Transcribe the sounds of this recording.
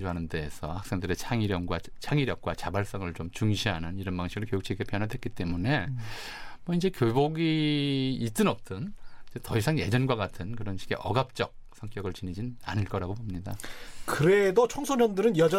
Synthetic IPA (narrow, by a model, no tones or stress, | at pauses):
d͡ʑoɦanɯnde̞ːsʰʌhak̚s͈e̞ŋdɯɾe̞t͡ɕʰaŋiɾjʌŋɡwa | t͡ɕʰaŋiɾjʌk̚k͈wat͡ɕabaɭs͈ʌŋɯɭt͡ɕomt͡ɕuŋɕʰiɦanɯniɾʌnmaŋɕʰiɡɯɭkjojukt͡ɕʰiɡepʰjʌnɦadwet̚k͈it͈e̞mune̞ | mʌind͡ʑe̞kjoboɡiː | s͈ɯnʌp̚t͈ɯnd͡ʑetʌisʰaŋje̞d͡ʑʌnɡwaɡatʰɯnkɯɾʌnɕʰi̥ɡe̞̰ʔʌɡap̚t͡ɕ͈ʌk̚sʰʌŋk͈jʌɡɯɭt͡ɕinid͡ʑia̰nɯɭk͈ʌɾaɡobomɲidakɯɾedot͡ɕʰoŋsʰoɲʌndɯɾɯnjʌd͡ʑʌ